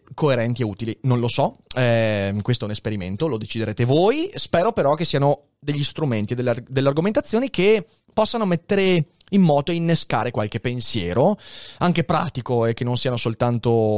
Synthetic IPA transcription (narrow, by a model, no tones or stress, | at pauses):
koeɾɛnt̪ieuːt̪ilinonlosɔɛkwest̪oɛunespeɾimḛnt̪olod̪et͡ʃid̪eɾeːt̪evoːjspɛːɾopeɾɔk̟esːiano | d̪eʎːist̪ɾument̪ied̪ːelːad̪elːearɡoment̪at̪sːjoːnike | pɔsːanomet̪ːeɾe | imːɔːt̪oeinːeska̰ːɾekwalk̟epensjɛ̰ːɾoaŋk̟epɾa̰ːt̪ikoekːenõnsiːanosolt̪ant̪o